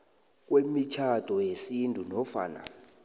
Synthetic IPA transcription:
k̬wemit͡ʃʰatʼɔjesintʼunɔfa̰ːna̰

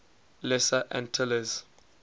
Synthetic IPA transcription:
lɛsaʔɛ̰̃ntʰɪləz

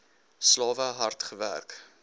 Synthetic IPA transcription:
slɑːvəɦɐrtχəvæ̰rk

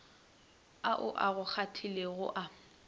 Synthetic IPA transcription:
aʔʊ̰ʔaɣʊk͡xʰatʰileɣʊʔa

